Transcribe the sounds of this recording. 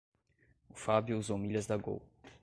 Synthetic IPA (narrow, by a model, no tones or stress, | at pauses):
ʊfabjuuzowmilʲɐzd̪ɐɡo̰w